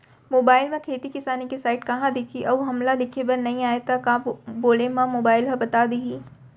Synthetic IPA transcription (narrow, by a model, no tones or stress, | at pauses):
moːbaːɪlmẽkʰeːt̪ikɪsaːnikisaːɪʈkɐɦãd̪ɪkʰiʔɐuɦɐmlalɪkʰebɐɾnɐɦĩaːet̪akaːboːlemãmoːbaːɪlɦɐbɐt̪aːd̪iɡiː